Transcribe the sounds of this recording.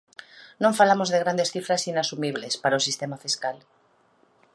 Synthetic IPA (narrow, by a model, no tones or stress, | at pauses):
nõɱfalamo̞zðe̞ɣɾand̪e̞sθifɾasinasumiβ̞le̞spaɾaosist̪e̞mafiskal